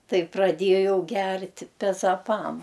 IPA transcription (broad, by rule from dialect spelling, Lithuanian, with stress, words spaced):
ˈtɐɪ prɐˈdʲeːjɛʊ ˈɡʲɛrʲtʲɪ pʲɛzɐˈpɐm